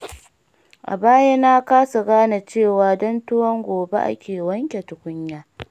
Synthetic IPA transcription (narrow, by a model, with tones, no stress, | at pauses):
ʔa̰˨baː˦ja˦na˦kaː˦su˨ɡaː˦na˨t͡ʃeː˦˨waː˨dɔ˦ntʊ˦wɔ˦ŋɡʷoː˨bḛ˦ʔa̰˦kʲeː˨wɐ˦ŋkʲe˨tʊ˨kʷʊ˦ɲjaː˦